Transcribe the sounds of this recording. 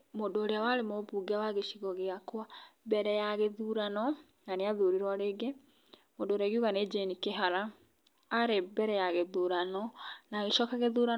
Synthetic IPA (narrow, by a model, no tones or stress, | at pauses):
mondoːɾeawaɾemobuɡeawaɣeʃiɣɔɣeakwabɛɾɛjaɣeðuɾanɔ | naneaðuɾiɾwaɾeɡe | modoɾɛɣiuɣaned͡ʒenikeɦaɾaː | ɾebɛɾɛjaɣeðuɾanɔnaɣeʃɔːkaɣeðuɾa